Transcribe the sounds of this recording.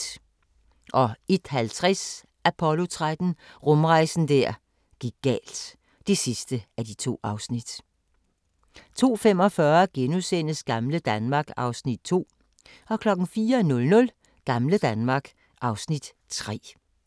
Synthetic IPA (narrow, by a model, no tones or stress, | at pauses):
ʔɒ̽e̝d̥hælt͡sʰʁɛs | ʔæpʰɒ̽lo̝t͡sʰʁad̥n̩ʁɔmʁɑ̈ɪsn̩d̥æɐ̰ | ɡ̥iɡ̥̚ːɛ̰ːld̥ | d̥esisd̥əæd̥it͡sʰo̝̰ːɑ̈ʊsnid̥ | t͡sʰo̝̰ːfem̰ɒ̽fɶɐɡ̥enusen̰əsɡ̥ɑ̈mləd̥ænmɑ̈ːɡ̥ɑ̈ʊsnid̥̚t͡sʰo̝̰ː | ɒ̽kʰlɒ̽ɡ̥n̩fiːɐnɔ̽lnɔ̽l | ɡ̥ɑ̈mləd̥ænmɑ̈ɡ̥ | ʔɑ̈ʊsnid̥ | t͡sʰʁɛ̰ː